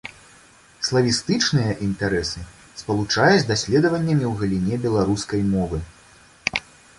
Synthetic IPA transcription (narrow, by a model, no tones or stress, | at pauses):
slˠɐvʲist̪ɨt͡ʂnɨjɐʔint̪aɾɛsɨ | spɐlˠut͡ʂajud͡zʲd̪asʲlʲɛd̪ɐvɐnʲːɐmʲiwɣɐlʲinʲɛbʲɛlˠaɾuskɐjmɔvɨ